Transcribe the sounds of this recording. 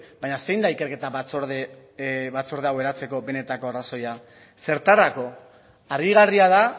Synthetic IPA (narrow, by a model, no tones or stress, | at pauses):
bajɲase̞jnd̪aike̞ɾke̞t̪aβat͡soɾðe | βat͡soɾð̞eawe̞ɾat͡se̞ko̞be̞ne̞t̪ako̞araso̞ja | se̞ɾt̪arako̞ | aɾɣiɣariað̞a